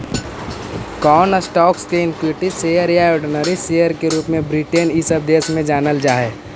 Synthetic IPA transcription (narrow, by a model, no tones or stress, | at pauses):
kɔːnəsʈɔːkskeɪ̃nkwiʈiseəɾjaoːɾɖɪnəɾisejəɾkeɾuːpmẽbɾiʈenɪsəb̚d̪eːsmẽd͡ʒaːnəld͡ʒaːɦeː